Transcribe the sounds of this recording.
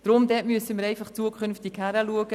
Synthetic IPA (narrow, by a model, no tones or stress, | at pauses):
d̥ɾomd̪ɛːtmyəsəməɾɛɪfaχt͡suəkʰχʏnftɪkhæɾəluəɡ̥ə